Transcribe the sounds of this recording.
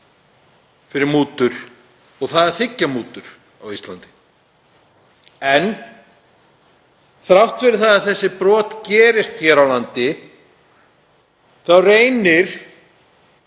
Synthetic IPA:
fɪɾɪɾmuːt̪ʏɾ̥ | ɔɣθaðɛɾ̥θɪcːamuːt̪ʏɾ̥ | awist̪lant̪ɪ̥ | ɛn | θɾawht̪fɪɾɪɾ̥θaðaðθɛsːɪpɾɔːt̪cɛːɾɪst̪çɛɾawlant̪ɪ | θawreːjnɪɾ̥

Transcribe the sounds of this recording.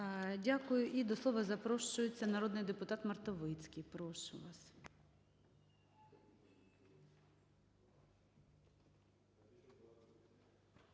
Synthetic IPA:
dʲakʊjʊʔid̪ɔslˠɔʋɐzɐpɾɔʃt͡ʃʊjɪt͡sʲːɐnɐɾɔd̪nɪjd̪epʊt̪ɑt̪mɐrt̪ɔʋɪt͡sʲkɪjpɾɔʃʊ̰ʋɑs

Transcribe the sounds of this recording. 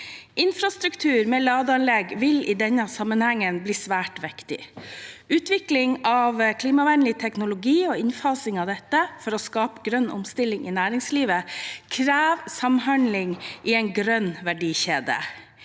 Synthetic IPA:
ʔɪnfɾɑst̪ɾʉkt̪ʰʉːɾmɛːlɑːd̪əɑnlɛɡʋɪlɪd̪ɛnːəsɑmənhɛŋːənbliːsʋæːʈʋɛkt̪ɪ̰ | ʉːt̪ʋɪklɪŋɑʋkʰliːmɑʋænlɪt̪ʰɛknʊlʊɡiːoɪnfɑːsɪŋɑʋd̪ɛt̪ːəfɔɾɔskɑːpəɡɾœnːʔʊ̰mst̪ɪlːɪŋʔɪ̰næːɾɪŋsliːʋəkʰɾæːʋsɑmɦɑnlɪŋʔɪɛɪnɡɾœnʋæɖiːçeːd̪ə̰

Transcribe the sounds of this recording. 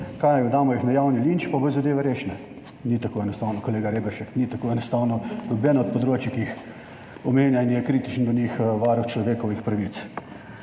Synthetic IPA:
kajɔd̪aːmɔjixnajawnilint͡ʃpabɔzad̪eːʋɛɾeːʃnɛ | nit̪akoːɛnɔst̪awnɔkoleːɡaɾeːbɛɾʃɛknit̪akoːɛnɔst̪awnɔlɔbɛːnaɔt̪̚pɔd̪ɾoːt͡ʃikiix | ɔmeːnjainjɛkɾit̪it͡ʃənd̪ɔnixʋaːɾɔwt͡ʃlɔʋeːkɔʋixpɾɐʋit̪s

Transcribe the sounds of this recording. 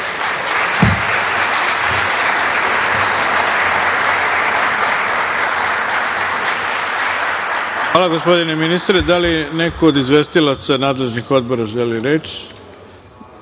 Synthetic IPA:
xaːlaɡo̞spo̞d̪ineminist̪ɾed̪aline̞koːd̪izʋeːst̪ilat̪sanaːd̪le̞ʒnixo̞d̪̚bo̞ɾaʒeliɾet͡ʃ

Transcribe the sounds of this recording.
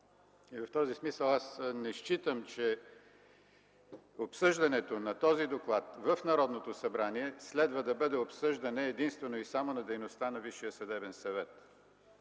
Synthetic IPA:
ivɐft̪ɔzismisəlˠasnɛʃt͡ʃit̪əmt͡ʃɛ | opsɤʒd̪ɐnɛt̪onɐt̪ɔzid̪oklˠat̪vəfnɐɾɔd̪not̪osɐbɾaniɛslɛd̪vəd̪ɐbɤd̪ɛopsɤʒd̪ɐnɛːd̪inst̪vɛnoisamonɐd̪ɛjnost̪anɐviʃijəsɐd̪ɛbɛnsɐvɛt̪

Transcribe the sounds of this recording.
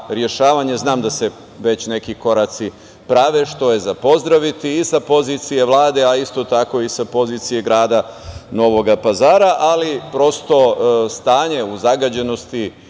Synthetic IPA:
ɾje̞ʃaːʋaɲe̞znaːmd̪ase̞ | ʋe̞t͡ɕne̞kiko̞ɾat̪si | pɾaʋe̞ʃt̪o̞je̞zapo̞zd̪ɾaʋit̪iːsapo̞zit̪sije̞ʋlˠaːd̪e̞aist̪o̞t̪ako̞isapo̞ziːt̪sije̞ɡɾaːd̪ano̞ʋo̞ɡapazaːɾaʔalipɾo̞st̪o̞st̪aːɲe̞uzaɡad͡ʑe̞no̞st̪i

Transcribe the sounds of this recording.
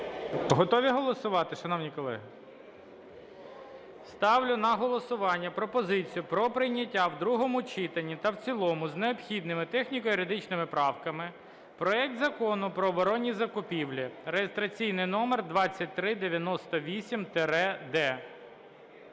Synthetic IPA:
ɦɔt̪ɔʋʲiɦɔlˠɔsʊʋɑt̪ɪʃɐnɔwnʲikɔlˠɛ̰ɦɪ | st̪ɑwlʲʊnɐɦɔlˠɔsʊʋɑnʲːɐpɾɔpɔzɪt͡sʲijʊpɾɔpɾɪjnʲɐtʲːawd̪ɾuɦɔmʊt͡ʃɪt̪ɐnʲːit̪ɐwt͡sʲilˠɔmʊzneɔpxʲid̪̚nɪmɪt̪ɛxnʲikɔjʊɾɪd̪ɪt͡ʃnɪmɪpɾɑwkɐmɪ | pɾɔɛk̚t̪zɐkɔnʊpɾɔːbɔɾɔnʲːizɐkʊpʲiwlʲiɾejest̪ɾɐt͡sʲijnɪjnɔmerd̪ʋɑt͡sʲːɐt̚ʲt̪ɾɪd̪eʋʲjɐnɔst̪ɔʋʲisʲimt̪eɾɛd̪ɛ

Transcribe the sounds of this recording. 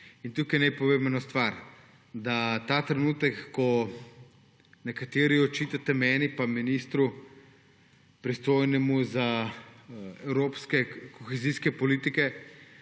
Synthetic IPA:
int̪ukajnɛpoʋebɛnost̪ʋaɾ | d̪at̪at̪ɾɛnuːt̪ɛkːɔ | nɛkat̪eːɾiɔt͡ʃit̪at̪ɛmɛːnipaminiːst̪ɾu | pɾist̪oːjnɛmuza | ɛwɾoːpskɛkoxɛziskɛpɔliːt̪ikɛ

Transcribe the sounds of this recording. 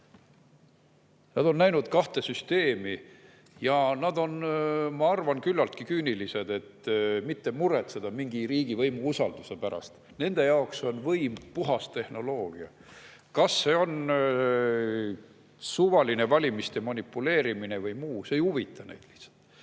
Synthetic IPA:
nɑd̪̥o̞nnæjnud̪̥kɑht̪e̞syst̪e̞ːmi | jɑnɑd̪̥o̞nmɑɑrvɑnkylːɑlt̪̚kikyːnilise̞d̪̥e̞t̪ːmit̪ːe̞muɾe̞t̪sed̪̥ɑmiŋɡ̥iɾiːɡivɤjmuusɑld̪̥use̞pæɾɑ̰st̪ | ne̞nd̪̥e̞jɑokso̞nvɤjmpuɦɑst̪e̞hno̞lo̞ːɡ̥iɑ̰ | kɑsːe̞o̞n | suvɑline̞vɑlʲimist̪e̞mɑnipːˑule̞ːɾimine̞vɤjmuːseejuvit̪ːˑɑnḛjd̪̥li̥ht̪sɑ̥t̪ːˑ

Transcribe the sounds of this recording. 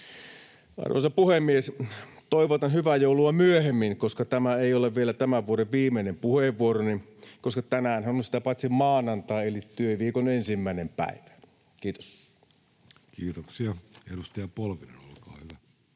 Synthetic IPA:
ɑ̰rʋo̰ˑsɑpuhemːies | t̪oiʋot̪ɑnhyʋæjoˑuluɑmyøhemːinkoskɑt̪æmæeioleʋʋielæt̪æmæʋʋuoɾeʋʋiːmenempuheʋːuoɾoninkoskɑt̪ænæːnhænonsi̥t̪æpɑt̪ʲsimmɑːnɑnt̪ɑːelit̪yøʋiːkonensimːæˑinempæ̰iʋæ̥ | kiːt̪o̥s | kiːt̪oksiɑḛdust̪ɑjɑpolʋinenolkɑ̰ːhyʋæ

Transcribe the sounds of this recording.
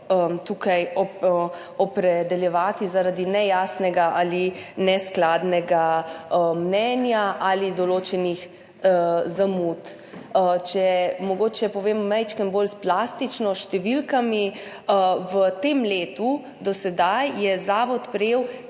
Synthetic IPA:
ət̪ukajɔ | ɔpɾɛd̪ɛljɛʋaːt̪izaɾad̪inɛjaːsnɛɡaʔalinɛsklaːd̪nɛɡaəmnɛnjaʔalid̪ɔloːt͡ʃɛnix | zamut̪ | ət͡ʃɛmɔɡoːt͡ʃɛpɔʋeːmɔmɛjt͡ʃkənbolsplast̪it͡ʃnɔʃt̪ɛʋilkami | əʋət̪emleːt̪u | d̪ɔsɛd̪ajːɛzaːʋɔt̪pɾɛjeːw

